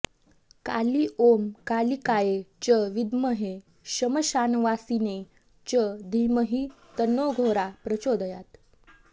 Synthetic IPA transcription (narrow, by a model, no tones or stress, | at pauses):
ka̰liʔomkalikajet͡ɕəʋid̪məɦe | ɕəməɕanʋasine | t͡ɕəd̪ʱiməɦiː | t̪ənːoɡʱoɾapɾət͡ɕod̪əjat̪